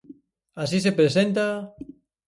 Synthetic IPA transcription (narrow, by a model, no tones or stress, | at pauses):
asisepɾesẽnt̪a